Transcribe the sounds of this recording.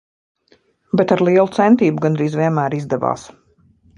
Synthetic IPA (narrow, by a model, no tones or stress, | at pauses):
bɛt̪aɾlˠiɛlˠut̪sɛnt̪iːbuɡanɾiːzviɛnmæːɾizd̪ɛva̰ːs